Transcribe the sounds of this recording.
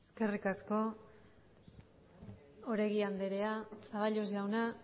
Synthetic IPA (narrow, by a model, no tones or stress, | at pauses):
eske̞rikasko̞ | oɾeɣiand̪eɾe̞asaβaʎozʝawna